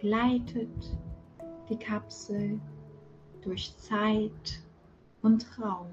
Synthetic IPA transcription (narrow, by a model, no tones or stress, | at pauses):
ɡ̥laɪtʰət | d̥iːkʰapsl̩ | d̥ʊɐçt͡saɪt | ʔʊntʁaʊm